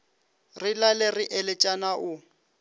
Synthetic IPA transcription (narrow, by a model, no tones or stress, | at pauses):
rɪlalɛrɪʔɛlɛt͡ʃʼanaʔʊ